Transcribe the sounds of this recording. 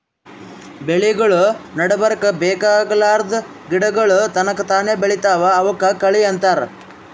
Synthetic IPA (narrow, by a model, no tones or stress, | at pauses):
beɭiɡɐɭunɐɽɐbɐɾɐkɐbɛːkaːɡɐlaːɾd̪ | ɡiɽɐɡɐɭut̪ɐnɐkːɐt̪aːneːbeɭit̪aːʋɐːʋɐkːɐkɐɭiɐnt̪aːɾ